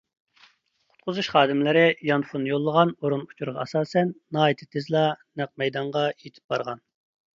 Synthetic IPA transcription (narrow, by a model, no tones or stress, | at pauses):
qʰʊ̥t̪̚qʰʊzuʃχɑːd̪ɪmlɪɾɪjɑnfunːjolˠːəʁɑnoɾunu̥t͡ʃʰuɾʁɑɑsɑːsɛnːɑːit̪ʰɪ̥t̪ʰɪzlˠɑnæq̚mɛjd̪ɑɴʁɑjet̪ʰɪ̥p̚b̥ɑɾʁɑn